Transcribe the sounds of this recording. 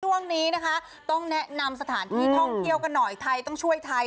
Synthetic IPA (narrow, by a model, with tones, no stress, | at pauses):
u˥˩əŋniː˦˥na˦˥kʰa˦˥ | t̪ɔ˥˩ŋnɛ˦˥na˧ms̬a˧t̪ʰaː˩˦nt̪ʰiː˥˩h̪ʰɔ˥˩ŋki˦˥əwka˧nːɔ˨˩jt̪ʰa˧jt̪ɔ˥˩ŋt͡ɕʰu˥˩əjt̪ʰa˧j